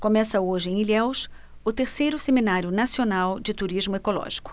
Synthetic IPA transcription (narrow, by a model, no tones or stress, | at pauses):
komɛsɐoʒɪẽilɛws | ʊt̪eɾsejɾʊseminaɾjʊnasionawd͡ʒɪt̪uɾizmʊekolɔ̰ʒi̥kʊ̥